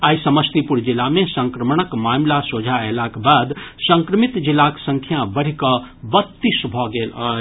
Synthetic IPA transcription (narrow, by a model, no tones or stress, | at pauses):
ajisəməst̪ipuɾd͡ʒilːamesə̃ŋkɾəməɳ̃əkmaːmlasod͡ʒʱaelakbad̪səŋkɾəmit̪d͡ʒilːaksəŋkʰjabəɽ̤ikəbət̪ːisbʱɔɡelə